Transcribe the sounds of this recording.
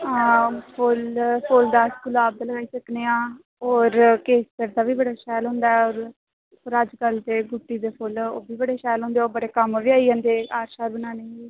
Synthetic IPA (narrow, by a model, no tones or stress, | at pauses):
ɦãːpʰolpʰoːld̪aːskulaːb̚d̪ləɡaːiːsəkneːãː | oːɾkeːsəɾd̪aːʋiːbəɽaːʃɛːlɦʊ̃nd̪aːɛoːɾ | pəɾəd͡ʒkəlt̪eːɡʊʈːiːd̪eːpʰʊlo̰ːbiːbəɽeːʃɛːlɦʊ̃nd̪eːoːbəɽeːkəmʋiːaːid͡ʒãːnd̪eːaːɾʃaːɾbənaːneːiː